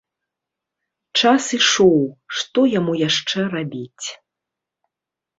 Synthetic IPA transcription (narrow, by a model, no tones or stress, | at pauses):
t͡ʂasiʂɔwʂt̪ɔjamujaʂt͡ʂɛrabʲit͡sʲ